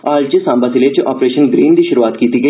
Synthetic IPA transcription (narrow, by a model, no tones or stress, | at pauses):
aːld͡ʒəsãːmbasɪlet͡ʃʔɔːpɾeːʃənɡɾiːnd̪ʱiʃʊɾuʋaːt̪kiːt̪iɡɐ